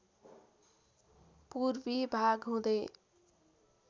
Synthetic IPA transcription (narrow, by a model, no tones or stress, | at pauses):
purbibʱaɡɦũd̪e